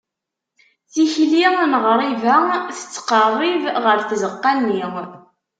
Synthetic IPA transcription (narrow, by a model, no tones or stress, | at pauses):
θiçliʁnʁəɾˤivæθə̥t͡sːqərˤːivʁəɾθzəqːalniʁ